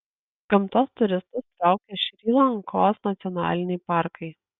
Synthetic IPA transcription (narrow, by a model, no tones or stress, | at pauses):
ɡ̥ɐmt̪oːst̪ʊɾʲɪst̪ʊst̪ɾɑˑʊkʲɛʃʲɾʲiːlˠɐŋkoːsnɐt̪sʲɔnɑ̰ːlʲɪnʲɛɪpɑˑɾkɐɪ